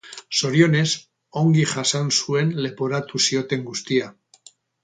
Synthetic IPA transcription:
so̞ɾjo̞ne̞s | o̞ŋɡiχasansue̞nle̞poɾat̪usio̞t̪e̞ŋɡust̪ia

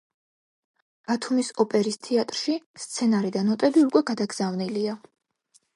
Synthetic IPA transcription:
b̥at̪ʰumisɔpʼɛɾist̪ʰiat̪ʼɾʃist̪sʰɛnaɾid̪anɔt̪ʼɛliukʼwɛɡad̪aɡz̥avnilia

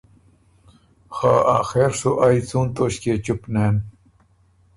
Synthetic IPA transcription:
xaːaːxeːɾsuʔajt͡suːnt̪oːɕket͡ɕupneːn

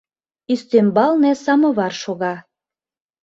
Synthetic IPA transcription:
ist̪embɑlnesɑmɤ̆βɑrʃoɣɑ

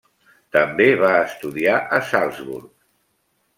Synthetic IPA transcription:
t̪əmbeβaəst̪uðiaʔəsalˠzβṵɾk

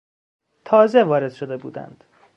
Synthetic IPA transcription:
t̪ʰɒːze̞vɒːɾe̞d̪̥ʃo̞d̪e̞buːd̪æ̰nd̪̥

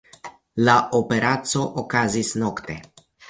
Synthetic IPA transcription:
laʔopeɾʔat̪soʔokazisnokt̪e

